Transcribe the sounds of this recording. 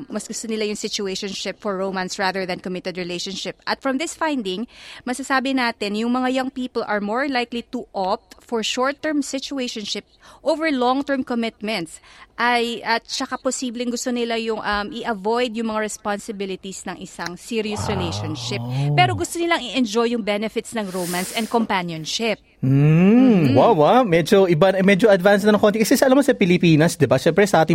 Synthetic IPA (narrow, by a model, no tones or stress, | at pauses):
mɐsɡʊst̪onɪlajʊŋsɪt͡ʃʊejʃonʃɪpfɔɹːowmɐ̃nsɹaːðɛɹðɐnkomɪt̪ɛd̪ɹɛlejʃonʃɪp̚ʔɐt̪fɹɐmðɪsfãjnd̪ɪŋmɐsasaːbɪnaːt̪ɪnjʊŋmɐŋajɐŋpiːpolʔɐɹmoɹlajklit̪uʔop̚t̪fɔɹʃɔɹt̪ːɛɹmsɪt͡ʃʊejʃɔnʃɪp̚ʔovɛɹlɔŋt̪ɛɹmkomɪt̪̚mɛ̃nt̪sʔɐjʔɐt̪̚t͡ʃɐkaposiːblɪŋɡʊst̪onɪlajʊŋʔɐmʔɪʔɐvojd̪jʊŋmɐŋaɹɛspansɪbɪlɪt̪isnɐŋʔɪsaŋsiɾiosɹɪlejʃonʃɪp̚pːɛːɾo̞ɡʊst̪onɪlaŋɪʔɛnd͡ʒojʊŋbɛnɛfɪt̪snɐŋɾowmansʔɛnd̪̚kompanjonʃɪp̩̚ | wawamɛd͡ʒoɪbanmɛd͡ʒoɐd̪vansnɐnɐŋkont̪ɪkɐsɛsɐʔɐlamɐsɐpɪlɪpiːnɐsd̪ɛbaʃɛmpɾɛsɐʔaːt̪ɪ